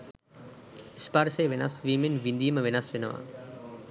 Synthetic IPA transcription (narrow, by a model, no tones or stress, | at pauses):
ɪspaːɾseːʋena̰ːsʋiːmenʋind̪iːmɐʋenaːsʋenɐʋa̰ː